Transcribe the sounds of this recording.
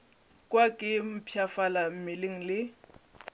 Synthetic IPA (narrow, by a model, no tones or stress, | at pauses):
kʼwakʼɪm̩pʰjafalam̩mɪleŋ̩lɪ